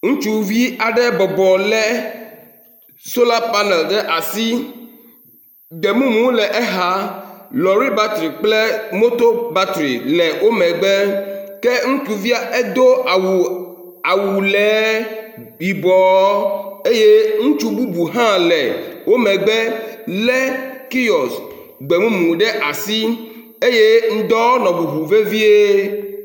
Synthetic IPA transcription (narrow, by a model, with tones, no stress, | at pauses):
ŋũ˦t͡ʃu˦vi˦a˨ɖɛ˦bɔ˨bɔ˨lɛ˦ | so˦la˦pa˦nɛ˨lɖɛ˦ʔa˨si˦ | d̪ɛ˨mũ˦mũ˦lɛ˨ʔɛ˦ɦa˦lɔ˨ɾi˦ba˦t̪ɾi˨k͡plɛ˦mo˦t̪o˦ba˦t̪ɾḭ˨lɛ˨wʔo˦mɛ̃˨ɡ͡bɛ˦kɛ˦ŋũ˦t͡ʃu˨vi˦a˦ɛ˦d̪o˦a˨wu˨ | a˨wu˨lɛ˨˦ | i˨bɔ˨˦e˦je˦ŋũ˦t͡ʃu˦bu˦bu˨ɦã˦lɛ˨wo˦mɛ̃˨ɡ͡bɛ˦lɛ˦ki˦ɔ˨s | ɡ͡be˨mũ˦mũ˨ɖɛ˦ʔa˨si˦ | e˦je˦ŋ̩̃˦d̪ɔ˦nɔ̃˨bu˨ɦu˨ve˦vi˦e˦